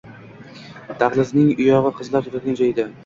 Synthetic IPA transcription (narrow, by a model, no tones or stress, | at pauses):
d̪̥aʁlˠɪznɪŋʊjɒʁɨqʰɨzlˠaɾt̪ʰɾak̪ʲand͡ʒʰajd̪ɪ